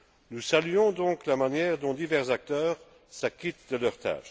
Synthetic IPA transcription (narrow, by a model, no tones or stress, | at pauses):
nusalyɔ̃d̪ɔ̃ːklamanjɛʁd̪ɔ̃d̪ivɛʁzak̚t̪œːʁ | sakit̪d̪əlœʁt̪ʰa̰ːʃ